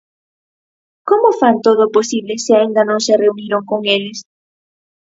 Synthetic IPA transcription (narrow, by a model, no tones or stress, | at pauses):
komofant̪oðoposiβlesɪaind̪ɐnõŋsereuniɾoŋkoŋeles